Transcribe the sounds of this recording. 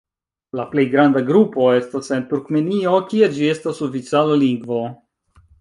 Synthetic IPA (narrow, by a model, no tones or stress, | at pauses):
laple̞jɡɾandaɡɾupo̞e̞stase̞ntuɾkme̞nio̞kied͡ʒie̞stasofit͡saloliŋɡvo̞